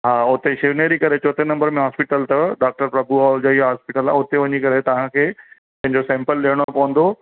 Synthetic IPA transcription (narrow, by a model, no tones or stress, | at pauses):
ɦaːʊt̪eʃeʋneːɾikɐɾet͡ɕoːt̪enɐ̃mbəɾmẽɦaːspɪʈəlt̪ɐɖaːk̚ʈəɾpɾɐbʱuaːld͡ʑaːiaɦaːspɪʈəlːa̰ʊt̪eʋɐɲikɐɾet̪ɐʋ̤ãkʰeː | pɐ̃ɦɪɲd͡ʑosɛ̃ːmpəlːiːəɽ̃opɐʋə̃n̆d̪o